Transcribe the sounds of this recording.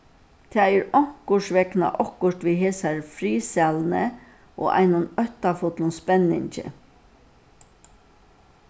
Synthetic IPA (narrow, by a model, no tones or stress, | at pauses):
t̪ʰɛːɛɾɔŋ̥kʊʂʋɛkna̰ʔɔkʊʂt̪ʋiːɦeːsaɹfɾiːsɛlnə | ʔo̰ːʔa̰ɪnʊnœht̪afɔt̪lʊnspɛnːɪ̰ɲt͡ʃɪ̰